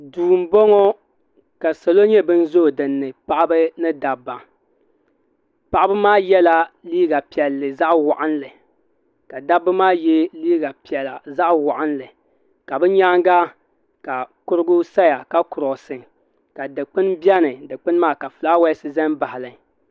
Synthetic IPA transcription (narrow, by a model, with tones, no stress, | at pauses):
duː˨m̩˦bɔ˦ŋɔ˦ | ka˨sa˨lo˦ɲɛ˦bɨ˦n̩˦zo˦˨dɨ˨nːɨ˨pa˦ʔa˦bɨ˦nɨ˦da˨bːa˨ | pa˨ʔa˦bɨ˦maː˦jɛ˦la˦liː˦ɡa˨pi˨ɛ˨lːɨ˨za˦ʔwa˨ʔa˦nlɨ˨ | ka˨da˦bːɨ˦maː˦jɛ˦liː˦ɡa˨pi˨ɛ˨la̰˨za˦ʔwa˨ʔa˦nlɨ˨ | ka˨bɨ˦ɲa˦ŋɡa˦ | ka˨kʊ˦ɾɨ˦ɡʊ˦sa˦ja˨ka˦kʊ˨ɾɔ˨sɨ˨ | ka˨dɨ˨k͡pɨ˦nbjɛ˦nɨ˨dɨ˨k͡pɨ˦n˦maː˦˨ka˨fɨ˨la˦wɛ˦sɨ˦zɛ˦nba˨hɪ˨lɨ˨